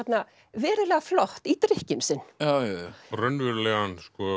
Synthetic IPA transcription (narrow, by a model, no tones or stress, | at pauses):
ɛt̪na | vɛːɾɪlɛːɣaflɔht̪it̪ɾɪhcɪmsɪnːjaːwjajarœnvɪɾlɛɣanskɔ